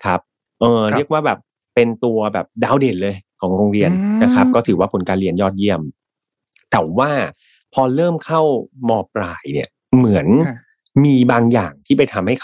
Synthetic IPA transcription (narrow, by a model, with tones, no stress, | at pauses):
kʰa˦˥p̚ | ʔɤː˧ɾi˥˩ək̚waː˥˩bɛː˨˩p̚ːe˧nt̪u˧ɐbɛː˨˩p̚daː˧˥˨wdeː˨˩t̪̚lɤː˧jkʰɔː˩˦ŋɾo˧ŋɾi˧ənna˦˥kʰa˦˥p̚kɔː˥˩t̪ʰɯː˩˦waː˥˩pʰo˩˧˦nkaː˧nɾi˧ənjɔː˥˩t̪̚ji˥˩əm | t̪ɛː˩˦wwaː˥˩ | pʰɔː˧ɾɤː˥˩mkʰa˥˩wmɔː˨˩p̚ɾaː˨˩jnḭ˨˩ɐ | mɯ˩˦ən | miː˧baː˧ŋjaː˨˩ŋt̪ʰiː˥˩pa˧jt̪ʰa˧mha˥˩jʰ